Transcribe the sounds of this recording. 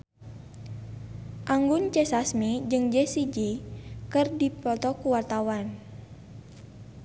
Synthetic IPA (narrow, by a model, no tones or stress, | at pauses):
ʔaŋɡʊnt͡ʃɛsasmid͡ʒɨŋd͡ʒɛsid͡ʒikɨrdipɔt̪ɔkuwart̪awan